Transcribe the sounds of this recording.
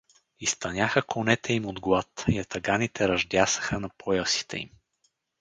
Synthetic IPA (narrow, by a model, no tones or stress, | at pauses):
ist̪ɐnʲaxəkonɛt̪ʰɛimod̪ɡlˠat̪jɐt̪ɐɡanit̪ʰɛɾɐʒd̪ʲjasə̥xənɐpʰɔjəsi̥t̪ɛ̰ḭm